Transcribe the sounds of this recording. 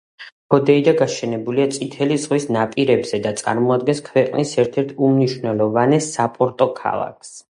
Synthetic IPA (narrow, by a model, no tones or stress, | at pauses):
kʰɔd̪ɛid̪aɡaʃɛnɛbuliat̪sʼit̪ʰɛlizʁwisnapʼiɾɛbz̥ɛd̪at̪sʼa̰ɾmɔad̪̚ɡɛnskʰvɛqʼnisɛɾt̪ʰɛɾt̪ʰumniʃwnɛlˠɔvanɛsapʼɔɾt̪ʼɔkʰa̰lˠa̰kʰs